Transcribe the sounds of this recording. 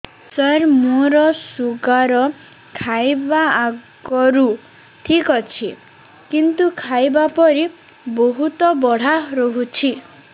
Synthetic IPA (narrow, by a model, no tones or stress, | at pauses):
saɾmoɾɔsuɡaɾɔ | kʰajbaaɡ | ɔɾu | ʈʰikɔt͡ʃʰi | kint̪ukʰajbapɔɾi | boɦut̪ɔbɔɽ̤aɾɔɦut͡ʃʰi